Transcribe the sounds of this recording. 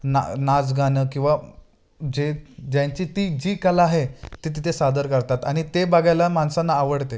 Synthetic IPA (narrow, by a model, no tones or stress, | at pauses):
na̰nad͡zɡʱanəkĩw̃ʋa | d͡ʑed͡ʑjaɲt͡ɕiːt̪iːd͡ʑikalaːɦet̪it̪̬it̪ʰesad̪əɾkəɾt̪at̪aɽ̃it̪ebaɡajlamansãnːaːʋəɽt̪e